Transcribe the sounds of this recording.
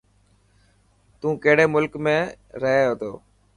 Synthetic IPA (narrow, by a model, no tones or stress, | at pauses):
t̪ũːkəɦɽeːmʊlkmẽː | ɾəɦeːɦoːt̪oː